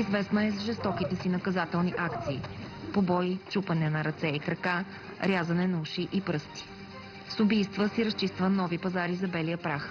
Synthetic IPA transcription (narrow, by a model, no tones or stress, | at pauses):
izvɛsnɐɛzʒɛst̪ɔkit̪ɛsinɐkɐzat̪ɛlˠniʔakt̪siːpobɔjt͡ʃupənɛnɐɾɐt̪sɛikɾɐka | ɾʲazɐnɛnɐuʃiʔipɾɤst̪i̥ | sʊbijst̪vəsiɾɐst͡ʃist̪vənɔvipɐzaɾizɐbɛlijəpɾax